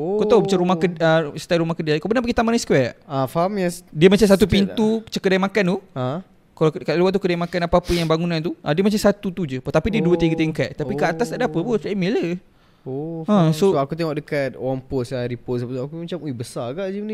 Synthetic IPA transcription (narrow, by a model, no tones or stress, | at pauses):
okoaubət͡ʃaɾumahkəəst̪ajɾumahkədiakobənapəɡit̪amaniskwɛʔafaɦamjadiəmat͡ʃamsat̪upint̪ut͡ʃəkədajmakanuã | kalakaluwaʔt̪̬ukədajmakanapaapəjaŋbaŋunãnt̪uʔadiəmat͡ʃamsat̪ut̪ud͡ʒəpt̪apidiəduət̪iɡət̪eŋka̰t̪t̪apikəat̪ast̪aʔdapəput͡ʃaʔmelə | oãsooakut̪eŋɔʔ̚dəkat̪̚owaŋposaɾipɔt̪sapət̪uakumat͡ʃamubəsaɡaʔd͡ʒəmni